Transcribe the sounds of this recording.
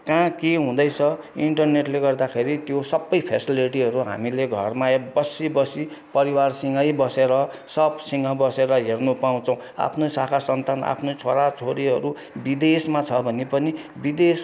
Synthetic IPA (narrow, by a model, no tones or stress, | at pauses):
kãkeɦũd̪ʌjt͡sʰʌ | iɳʈʌrneʈleɡʌrd̪akʰeɾit̪josʌbːʌjpʰesiliʈiɦʌɾuɦa̰mileɡʱʌrmaebʌsibʌsi | pʌɾiwarsiŋʌjbʌseɾʌsʌpsiŋʌbʌseɾʌɦernupaũt͡sʰʌw̃a̰pʰnosakʰasʌnt̪ana̰pʰnot͡sʰoɾat͡sʰoɾiɦʌ̰ɾu | bid̪esmat͡sʰʌbʱʌnipʌnibid̪es